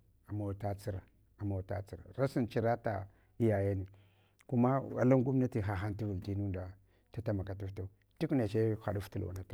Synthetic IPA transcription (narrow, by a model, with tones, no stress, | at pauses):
a˨ma˨ta˦t͡si˦ɾa̰˨ | a˨ma˨ta̰˦t͡si˨ɾa̰˨ɾa˦si˦nt͡ʃi˦ɾa˦ta̰˨ | i˦ja˨ja˦ni˨ | ku˦ma˦a̰˨la˦ŋɡu˦m˦na˦ti˨ɦa˨ɦa˦nti˦vu˨lti˦nu˦nda˨ | ta˦ta˦ma˨ka˨t̬u˦fta˦˨ | ti˦kna˨t͡ʃe˦xa̰˨du˦ftu˦l̰a̰˨na˨tu˨